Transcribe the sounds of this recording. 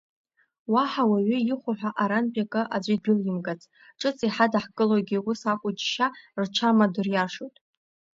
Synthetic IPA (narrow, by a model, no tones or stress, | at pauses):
waħawaɥʏiχʷʊħʷᶣaʔaɾanpʼakʼɨʔad͡ʒʷidʊljɪmɡat͡sʼ | ʈ͡ʂʼɨt͡sʼiħadaħkʼɨloɡʲiwusakʷʼʊd͡ʒʃart͡ʃʷʰamadʊrjaʂojtʼ